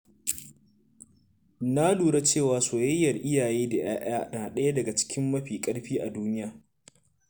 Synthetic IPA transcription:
na˦duː˨ɽa˦t͡ʃeː˦˨waː˨soː˨jɐ˦jːɐ˨rʔɪ˦jaː˨jeː˦da˨j̰aː˦ʔaː˦naː˨ɗɐ˦ja˦dɐ˨ɡa˨t͡ʃɪ̥˦kʲɪ˦mːɐ˦ɸiː˨kʼɐ˦ɽɸiː˦ʔa˨duː˦nɪ˦jaː˨

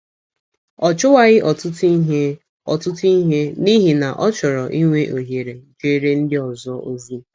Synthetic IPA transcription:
ɔ˨t͡ʃʊ˦wa˦ɣɪ˦ʔɔ˨tʊ˦ti˦ɦe˦ | ɔ˨tʊ˦ti˦ɦe˦ni˦ɦi˨na˨ʔɔ˦t͡ʃɔ˨ɾɔ˨ʔi˦ŋʷe˦ʔo˨ɦe˨ɾe˨ŋ̩˨ke˦ɾe˦n̩˦dɪ˦ɔ˨zɔ˦o˦zu˦

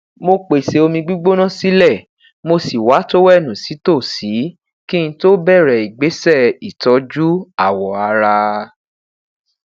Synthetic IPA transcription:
mo˧k͡pe˨se˨o˧mĩ˧ɡ͡bi˦ɡ͡bo˦nã˦˨si˦lɛ˦˨ | mo˧si˨wa˨˦to˦wɛ˦˨nũ˨si˨˦to˦˨si˨˦ | ki˦˧ĩ˧to˦bɛ˦˨ɾɛ˨i˨ɡ͡be˨˦sɛ˦˨i˨tɔ˨˧˦d͡ʒu˦a˦˨wɔ˨a˧ɾa˧

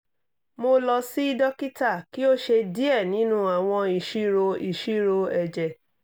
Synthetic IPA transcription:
mo˧lɔ˧si˦i˦dɔ˦ki˦ta˦˨ki˦o˦ʃe˧di˦ɛ˦˨nĩ˨˦nũ˦a˨w̃ɔ̃˧i˨ʃi˦ɾo˧i˨ʃi˦ɾo˧ɛ˨d͡ʒɛ˨

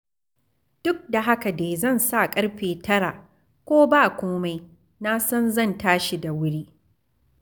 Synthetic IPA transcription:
d̥ʊ˦k̚da˨ɦa˦ka˨deː˨zɐ˦˨nsa˦kʼɐ˦ɽɸeː˨tɐ˦ɽa˨ | kʷoː˦ba˦˨kʷoː˦ma˦j | na˦sɐ˦nzɐ˦˨ntaː˦ʃi˨da˨wʊ˦ɽiː˦

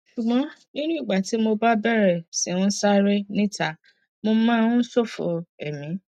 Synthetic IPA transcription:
ʃu˨ɡ͡bɔ̃˨˦nĩ˦nũ˦i˦˨ɡ͡ba˨ti˨˦mo˧ba˦bɛ˦˨ɾɛ˨si˨˦ũ˦sa˦ɾe˦nĩ˦ta˨ | mo˧˦mã˦so˦˨fo̰˨ɛ˨mĩ˨˦

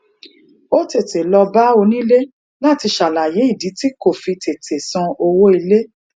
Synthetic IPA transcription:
o˦te˨te˨lɔ˧ba˦o˧nĩ˦le˦ | la˦˨ti˧ʃa˨la˨je˨˦i˦˨di˨˦ti˦ko˦˨fi˧tʰe˨tʰe˨sɔ̃˧o˧wo˦i˧le˦

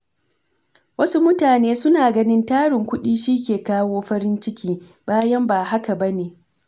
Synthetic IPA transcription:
wɐ˦su˦mʊ˦taː˨neː˦sʊ˦naː˨ɡɐ˦nɪ˦ntaː˦ɽɪ˨ŋkʷʊ˦ɗiː˦ʃiː˦kʲeː˨kaː˦woː˦ɸɐ˦ɾɪ˦nt͡ʃɪ˦kʲiː˦ | baː˦jɐ˦mbaː˨ɦa˦ka˨bɐ˦neː˨

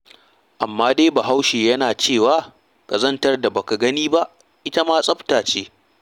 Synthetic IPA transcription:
ʔa˨mːaː˦deː˦baː˨ɦa˦wʃeː˨jɐ˦naː˨t͡ʃeː˦˨waː˨˦ | kʼɐ˨zɐ˦ntɐ˦rda˨ba˨ka˨ɡɐ˦niː˦ba˦ʔ | ʔɪ˦ta˦maː˦sʼɐ˦ɸtaː˨t͡ʃeː˦

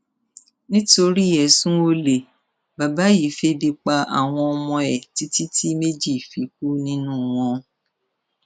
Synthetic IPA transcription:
nĩ˦to˧ɾi˦˨ɛ˨sũ˦o˧le˨ | ba˨ba˨˦ji˨˦fe˦bi˧k͡pa˧a̰˨w̃ɔ̃˧ɔ˧mɔ̃˧ɛ˨ti˦ti˦tʰi˦me˦d͡ʒi˦˨fi˨˦k̚u˦nĩ˦nũ˦w̃ɔ̃˧

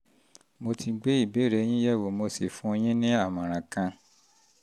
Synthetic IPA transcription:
mo˧tʰi˧ɡ͡be˦i˦˨be˨˦˨ɾe˨˦j̃ĩ˦jɛ˦˨wo˨mo˧si˨fũ˦o˧j̃ĩ˦nĩ˦a˦˨mã˨ɾ̃ã˨kã˧

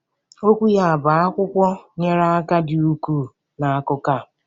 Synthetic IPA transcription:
o˦kʷu˦ja˦a˨ba˨a˦kʷʊ˦kʷɔ˦ɲe˦ɾa˦a˦ka˦dɪ˨u˦ku˦˨ | na˨a˦˨kʊ˦ka˦˨

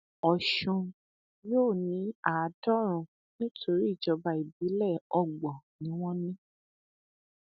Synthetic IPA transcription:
ɔ˨ʃũ˧ | joː˦˨nĩ˨˦a˨˦dɔ˦˨ɾ̃ũ˧ | nĩ˦tʰo˧ɾi˦i˦˨d͡ʒɔ˨˧ba˧i˨bi˨˦lɛ˦˨ɔ˧ɡ͡bɔ˨nĩ˨˦w̃ɔ̃˦nĩ˦

